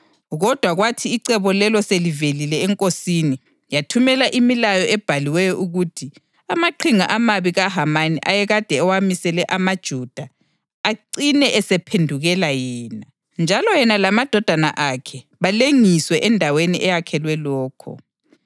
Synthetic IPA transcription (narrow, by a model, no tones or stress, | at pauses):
ɣɔd̥ʱwaɣwatʰiːǀɛβɔlɛlɔselivelilɛːŋkʼosini | jatʰumɛlaʔimilajɔʔɛb̥ʱaliwɛjɔʔuɣutʰi | amaǃʰiŋaʔamaβiɣaɦamaniʔajɛɣad̥ʱɛɔwamisɛlɛʔamad̥ʒ̥ʱud̥ʱaː | ǀinɛʔɛsɛpʰendʱuɣɛlajɛːna | nd͡ʒʱalɔjɛnalamad̥ʱɔd̥ʱana̰ʔakʰɛ | βaleŋiswɛʔɛndʱaweniʔɛjakʰɛlwɛlɔːkʰɔ̰